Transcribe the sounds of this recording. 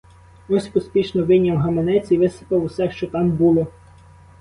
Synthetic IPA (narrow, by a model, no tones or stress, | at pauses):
ɔsʲpɔsʲpʲiʃnɔʋɪnʲɐwɦɐmenɛt͡sʲiʋɪsɪ̥pɐwusɛʃt͡ʃɔt̪ɑmbulˠɔ